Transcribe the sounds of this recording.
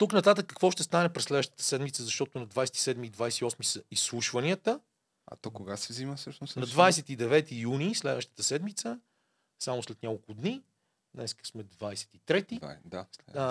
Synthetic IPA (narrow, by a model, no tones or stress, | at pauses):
t̪uknɐt̪at̪əkːəkvɔʃt̪ɛst̪anɛpɾɛslɛd̪vəʃt̪ət̪ə̥sɛd̪mit̪səzɐʃt̪ɔt̪ʊnɐd̪vajsɛ̥t̪i̥sɛd̪miːd̪vajsɛt̪iɔsmisəisːlˠuʃvɐniət̪ə | ɐ̰t̪ɔkoɡasɛvziməfsɤʃnʊsnɐd̪vajsɛt̪id̪ɛvɛt̪ijunislɛd̪vəʃt̪ə̥t̪əsɛd̪mit̪sə | samʊslɛt̪nʲakolˠkʊd̪ni | d̪nɛ̰skə̥smɛd̪vajsɛ̥t̪it̪ɾɛt̪id̪aa